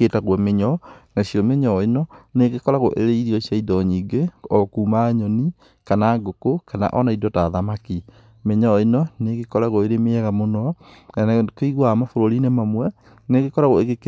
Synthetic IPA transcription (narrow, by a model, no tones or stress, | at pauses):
etaɣwɔmeɲɔnasiɔmeɲɔinɔneɣekɔɾaɣo̰ʔeɾeiɾiɔsiaidɔɲiːɡeɔkuːmaɲɔni | kanaŋɡokokana̰ʔɔnaidɔtaðamaki | meɲɔinɔneɣekɔɾaɣoeɾemeɛɣamonɔnankoiɣwamafoɾoɾinemamwɛ | neɣekɔɾaɣoeɣek